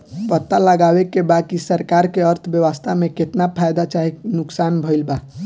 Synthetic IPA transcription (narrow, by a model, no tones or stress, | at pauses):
pət̪ːaləɡawekebakisəɾkaɾkeəɾt̪ʰbjəʋəst̪ʰameket̪napʰajd̪at͡ʃaɦenʊksanbʱəɪlba